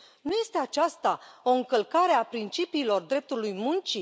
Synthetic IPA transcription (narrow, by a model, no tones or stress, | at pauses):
nuje̞st̪e̞at͡ʃast̪ao̞ɨŋkəlkaɾe̞apɾint͡ʃipiːlo̞rd̪ɾe̞p̚t̪ulujmunt͡ʃi